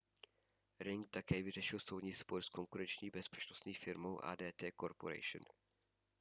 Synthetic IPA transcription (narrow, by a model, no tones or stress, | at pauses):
ɾɪŋk̚t̪akɛːvɪrɛʃɪlso̞wdɲiːsboɾskoŋkuɾɛnt͡ʃɲiːbɛspɛ̥t͡ʃnost̪ɲiːfɪɾmowʔa̰ːdɛːt̪ɛːkoɾpoɾɛ̰jʃə̰n